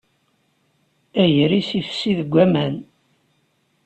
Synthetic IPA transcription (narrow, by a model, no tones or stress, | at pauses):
æjəɾisifsiðəɡʷːæmæn